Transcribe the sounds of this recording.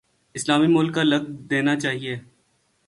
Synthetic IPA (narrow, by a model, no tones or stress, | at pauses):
ɪslaːmimʊlkːalɐɡ̚d̪eːnat͡ʃaːɦieː